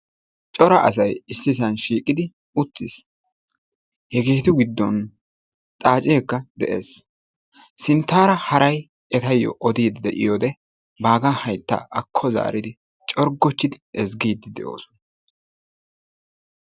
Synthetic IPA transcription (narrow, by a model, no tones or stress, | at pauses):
t͡ʃʼɔɾɐʔɐ̰s̬ɐjɪsːɪsɐnʃiːkʼɪd̪ɪ | ʊt̪ːɪs | hɛɡe̞ːt̪ʊɡɪd̪ːɔn | t̪ʼaːt͡ʃʼeːkːɐd̪ɛʔḛːs | sɪnt̪ːaːɾɐhɐɾɐj | ʔɛt̪ɐjːɔ̰ʔɔd̪iːd̪d̪ɛʔɪ̰joːd̪ɛ | baːɡɐhɐjt̪ːɐ̰ʔɐkʰːɔza̰ːɾɪd̪ɪ | t͡ʃʼɔɾɡːɔt͡ʃːɪd̪ɪɛzɡiːd̪ːɪd̪ɛʔo̞̰ːsɔ̥nɐ